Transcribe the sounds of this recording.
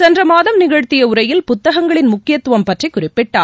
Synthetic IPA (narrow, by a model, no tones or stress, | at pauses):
t͡ʃɐndrɐmaːðɐmnɪɣɐɻt̪ːɪjɐʊɾɐjɪlpʊt̪ːɐɣɐŋɡɐɭɪnmʊkːɪjɐt̪ːʊʋɐmpɐʈrikːʊrɪpːɪʈːaː